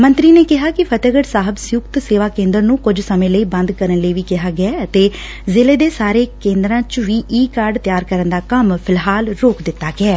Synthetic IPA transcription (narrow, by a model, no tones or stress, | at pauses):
mə̃nt̪ɾiːneːkɪɦaːkɪpʰət̪əɡəɖsaːɦəbsjʊkt̪seːʋaːkẽːnd̪əɾnũːkʊd͡ʒsəmẽːləiːbə̃nd̪kəɾənləiːʋiːkɪɦaːɡɪaːət̪eː | zɪleːd̪eːsaːɾeːkẽːnd̪ɾãːt͡ʃʋiːʔiːkaːɾɖt̪jaːɾkəɾənd̪aːkəmpʰɪlɦaːlɾoːkd̪ɪt̪ːaːɡɪɛː